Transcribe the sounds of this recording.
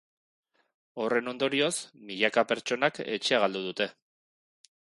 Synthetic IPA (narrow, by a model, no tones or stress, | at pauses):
o̞re̞no̞nd̪o̞ɾio̞smiʎakape̞ɾt͡ʃo̞nakḛt͡ʃeaɣald̪uð̞ut̪e̞